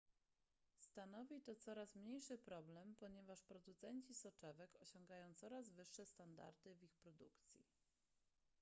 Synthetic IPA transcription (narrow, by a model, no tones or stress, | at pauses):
st̪anɔvʲit̪ɔt̪sɔɾasmɲejʂɘpɾɔblɛmpɔɲɛvaʂpɾɔd̪ut̪sɛɲt͡ɕisɔt͡ʂɛvɛkɔɕɔŋɡajɔ̃w̃t̪sɔɾazvɘʂːɛst̪and̪a̰ɾd̪ɘvʲixpɾɔd̪ukt̪sʲjḭ